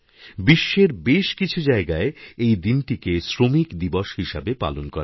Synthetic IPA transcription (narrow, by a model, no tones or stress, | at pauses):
biʃːeɾbeʃkit͡ɕʰud͡ʑaeɡaeejd̪inʈikesɾomikd̪iboʃhiʃabepa̰lonkɔɾa